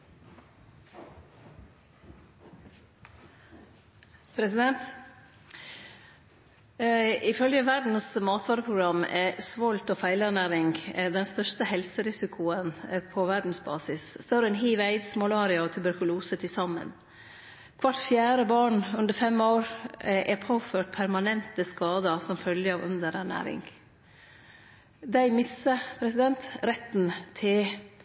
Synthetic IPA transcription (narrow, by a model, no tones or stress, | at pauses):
pʰɾɛsɪd̪ɛnt̪ | ɪfœljəʋæɖɳ̩smɑːt̪ʋɑːɾəpʰɾʊɡɾɑmɛsʋɔlt̪oːfæɪlæɳæːɾɪŋɡd̪ɛnst̪œʂt̪əhɛlsəɾɪsɪkʰʊənpʰɔʋæɖɳn̩sbɑ̰ːsɪsd̪oːɾɛnɦiːʋæɪd̪smʊlɑːɾɪɑɔt̪ʰʉbæɾkʉluːsət̪ʰɪlsɑmə̰n | kʰʋɑʈfjæːɾəbɑːɳʉnd̪əɾfɛmoːɾʔɛpʰoːføːʈ̚pʰæɾmɑnɛnt̪əskɑːd̪ɑsɔmfœljəɑːʋʉ̰nd̪əɾnæɳæ̰ːɾɪ̰ŋɡ | d̪æɪmɪsəpʰɾɛsɪd̪ɛnt̪ɾɛt̪ːnt̪ʰɪ